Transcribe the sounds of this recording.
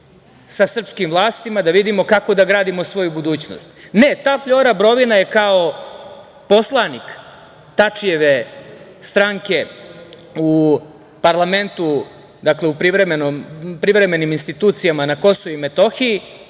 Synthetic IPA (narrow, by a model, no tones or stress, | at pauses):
sasr̩pskimvlˠaːst̪imad̪aʋid̪imo̞kako̞d̪aɡɾaːd̪imo̞sʋo̞jubud̪uːt͡ɕno̰st̪net̪aːfʎoːɾabɾo̞ʋinaje̞kao | po̞slˠanik | t̪at͡ʂje̞ʋe | st̪ɾaŋke̞ | u | paɾlˠame̞nt̪u | d̪akleupɾiʋɾemenompɾiʋɾe̞me̞niminst̪it̪uːt̪sijamanako̞soʋuime̞t̪o̞xiji